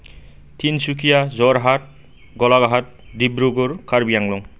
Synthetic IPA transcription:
tʰinsukʰijazɔɾɦat̚ | ɡɔlaɡaɦat̚dibɾuɡɔɾkʰaɾbijaŋlɔŋ

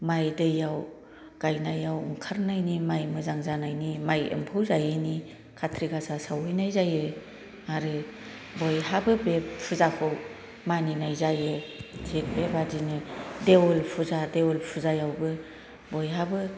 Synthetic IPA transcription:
majdɯjaw | ɡ̥ajnajawṵŋkʰaɾnajnimajmɯzaŋzanajnimajɯ̰mpʰɯwzajɯni | kʰatʰɾiɡasasawɯjnajzajɯ | aɾɯ | bɔjɦabɯbeppʰuzakʰɯw | maninajzajɯzek̚bebadinɯdewɔlpʰuzadewɔlpʰuzajawbɯ | bɔjɦabɯ

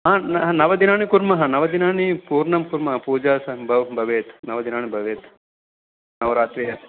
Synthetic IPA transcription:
ɦãnnɐʋɐd̪inaːɳikuɾmɐɦɐnɐʋɐd̪inaːɳipuːɾɳɐmkuɾmɐɦɐpuːd͡ʒaːsɐmbʱɐʋbʱɐʋeːt̪nɐʋɐd̪inaːɳibʱɐʋeːt̪ | nɐʋɾaːt̪ʋeːɦɐ

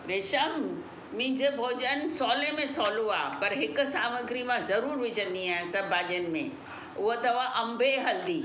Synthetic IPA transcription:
ɾeːʃamː | ɪ̃ːd͡ʑebʱoːʄənsɔːlemẽsɔːloaːpɐɾɦɪkʊ̆saːməɡɾimãzɐɾuːɾʋɪd͡ʑʱə̃nd̪iaːɦɪ̃nsɐbʱːaːʄənɪ̆mḛ̃ | ʊɦot̪ɐʋaʔɐ̃mbʱeɦɐld̪iː

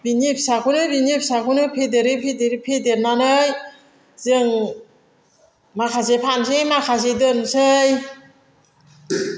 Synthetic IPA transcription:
binipsakʰunɯbinip̚sakʰunɯpʰedeɾɯpʰedeɾipʰedeɾnanɯj | zɯŋ | makʰasepʰansejmakʰas̬edɯnsɯj

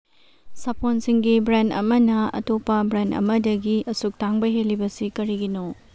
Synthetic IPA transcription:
sɐpʰonsiŋɡibɾendɐ̰mɐnɐɐ̰topːɐbɾendɐ̰mɐdɐɡiʔɐsuk̚taŋbɐɦelːibɐsikɐɾiɡino

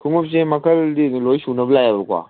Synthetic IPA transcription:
kʰuŋup̚s̬emɐkʰɐldilojsunɐbɐlajabɐkwa̰

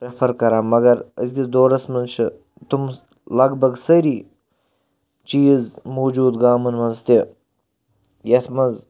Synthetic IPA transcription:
pɾɐfʰɐɾkɐɾaːmɐɡɐɾəzd̪ʲid̪oːɾɐsmɐnt͡ʃʰɨ | t̪um | lɐɡbɐɡsɐɾiː | t͡ʃiːzmoːd͡ʒuːd̪ɡaːmɨnmɐnzt̪i | jɐt̪ʰmɐnz

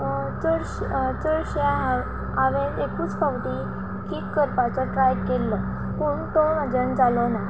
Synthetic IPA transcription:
t͡səɾɕt͡səɾɕja | aʋẽnekuːt͡spaʋʈ̪i | kikːəɾpat͡sɔʈɾajkelːɔ | kuɳt̪ɔmad͡zənd͡zalɔna

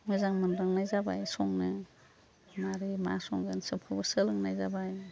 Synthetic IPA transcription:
mɯzaŋmɯnɾaŋnajzaba̰jsɔŋnɯ | maɾima̰sɔŋɡansɯpʰabɯsɯlɯŋnajzabaj

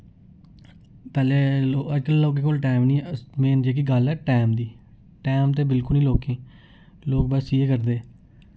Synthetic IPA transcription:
pɛːleːoəd͡ʒkəlːoːk̬eːkoːlʈɛːmnĩːmeːnd͡ʒeːk̬ɪɡəlɛːʈɛːmd̪iː | ʈɛːmt̪eːbɪlkʊlnĩːloːkẽː | loːk̚bəsiːeːkəɾd̪eː

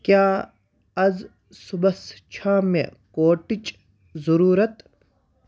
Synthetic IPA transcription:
kjaː | ɐz | subɐst͡ʃʰaːmḛkoːʈit͡ʃ | zɐɾuːɾɐt̪

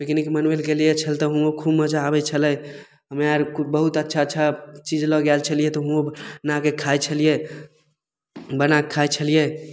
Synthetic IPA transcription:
bekinkimənwelɡelijet͡ʃʰəlt̪ɔɦũokʰubməd͡ʒaːbɛt͡ʃʰələ | ɦəmeaɾkubəɦut̪ətːʃʰatːt͡ʃʰat͡ʃid͡ʒlɔɡɛlt͡ʃʰəlijet̪ɔɦũonakekʰajt͡ʃʰəlije | bənakʰːajt͡ʃʰəlije

